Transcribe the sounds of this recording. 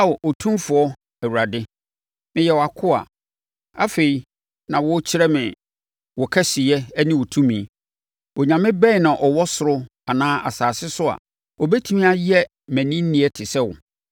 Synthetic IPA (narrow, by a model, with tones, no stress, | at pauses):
a˦wɔ˨ʔo˨tʰũ˦fʊ˨ɔ˦ | ɛ˨wu˨ɾa˨dɪ˦ | mɪ̃˨jɛ˨wa˨kʰʊ˦a̰˨ | a̰˦fe˨i˨ | nã˨wɔ˦t͡ɕʰɪ˦ɾɛ˦mɪ̃˨ | wɔ˨kʰɛ˦sɪ˨jɛ˦nɪ̃˦wɔ˨tʰũ˦mĩ˨ | ʔɔ˨ɲã˨mɪ̃˦bɛ̃˦˨nã˨ʔɔ˨wɔ˦sʊ˨ɾʊ˦ | a˨nãː˦ʔa̰˨saː˨sɪ˦sʊ˦a̰˨ | ɔ˨bɛ˦tʰu˦mĩ˦a˦jɛ˦ | mæ̃˨nĩ˦n̩˦nĩ˨˦ɛ˦tʰɪ˨sɛ˦wʊ̰˨